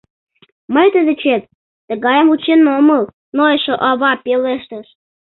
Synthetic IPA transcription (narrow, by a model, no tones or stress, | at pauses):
məjt̪əd̪ĕt͡ɕet̪̚ː | ə̆ɣɑjəmut͡ɕenːoməl | noeʃoʔɑβɑpeleʃt̪əʃ